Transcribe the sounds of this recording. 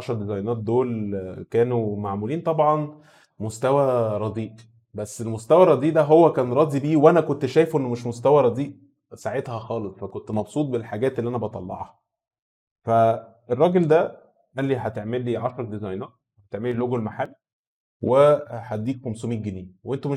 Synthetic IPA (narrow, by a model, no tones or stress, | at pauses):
ʕɑʃɑɾˤɑd̪ezɑjnɑːt̪̚d̪oːlkæːnumaʕmuliːnt̪ˤɑbʕɑn | most̪æwæɾˤɑd̪iːʔ | bæsːelmost̪æwæɾˤɑd̪ˤiːʔd̪æɦowːækæːnɾˤɑːd̪ibiːweʔænækont̪ʃæːjfuʔenːmeʃmost̪æwæɾˤɑd̪ˤiːʔ | saʕet̪hæxɑːlesˤfækont̪mɑbsuːt̪̚ˤbelħaɡæːt̪ʔelːiʔænæbɑt̪ˤɑlːɑ̰ʕhɑ | fæ | erˤːɑːɡeld̪æ | ʔælːiħæt̪eʕmelːiʕɑʃɾˤɑd̪ezɑjnɑːt̪̚ | hæt̪eʕmeliloɡolmaħalːi | weħad̪ːiːk̚komsumiːɡeniːweʔent̪ume